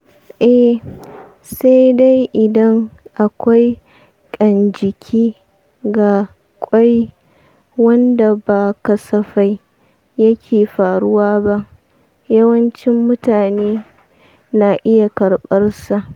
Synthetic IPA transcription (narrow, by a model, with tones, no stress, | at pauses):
ʔɛ˨ | sa˦jda˦jʔɪ˨dɐ˦ŋʔa˨kʷa˦j | kʼɐ˨nd͡ʒɪ˨kʲʰiː˦ | ɡa˨ | kʷʼɔ˦j | wɐ˦nda˨baː˨kɐ˨sɐ˨ɸa˦j | jɐ˦kʲʰeː˨ɸaː˨ɽʊ˦waː˦ba˦ʔ | jɐ˦wɐ˦nt͡ʃɪ˦mːʊ˦taː˨neː˦ | naː˨ʔɪ˦ja˨kɐ˨ɽɓɐ˦rsa˨ʔ